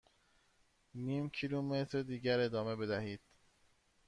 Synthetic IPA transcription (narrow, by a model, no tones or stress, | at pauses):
niːmcʰilumet̪ʰɾed̪iːɟæɾe̞d̪ɒːmebe̞d̪æhiːd̪̥